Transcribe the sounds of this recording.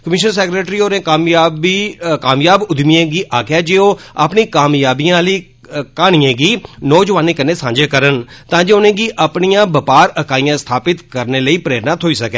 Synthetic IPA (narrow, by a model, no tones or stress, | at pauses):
kəmɪʃnənsɛːkɾeːʈɾiːoːɾẽːkaːmjaːikaːmjaːbʊd̪miẽːɡiːʔaːkʰaːd͡ʒeːoːa̰pɳiːkaːmjaːbijãːliː | kaːɽ̃ijãːɡiːnɔːd͡ʒʋaːneːkəɾneːsãːɲd͡ʒeːkəɾənt̪ãːd͡ʒeːʊnẽːɡiːʔəpɳijãːbəpaːɾəkaːijãːst̪ʰaːpɪt̪kəɾneːləiːpɾeːɾnaːt̪ʰoːiːsəkɛː